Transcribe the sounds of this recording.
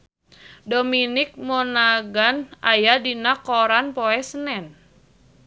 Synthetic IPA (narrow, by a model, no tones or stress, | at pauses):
dominɪk̚mɔnaɡanajadinakɔɾanpɔɛsənɛn